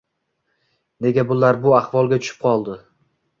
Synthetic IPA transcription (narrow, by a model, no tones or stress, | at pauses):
ne̞ɡʲabʊlaɾbʊaχvɒlˠɡʲat̪ʰʊ̥ʃɪ̥p̚qʰɒlˠd̪ɪ